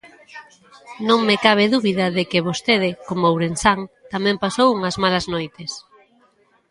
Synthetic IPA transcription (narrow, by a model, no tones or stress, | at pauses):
nõŋmekaβ̞ɪðuβiðɐðekɪβost̪eðɪkomowɾensaŋt̪amɛ̃mpasowuŋɐzmalɐznojt̪ɪs